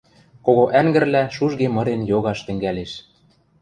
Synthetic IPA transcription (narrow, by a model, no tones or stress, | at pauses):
koɣoʔæŋɡɘ̆rlæʃuʒɣemɤ̆ɾenjoɣɑʃt̪ɘ̆ŋɡæleʃ